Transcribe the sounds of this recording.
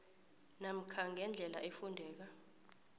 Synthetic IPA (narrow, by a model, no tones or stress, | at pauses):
nam̩kʰaŋɛnd͡ɮʱɛla̰ʔefundʱɛːk̬a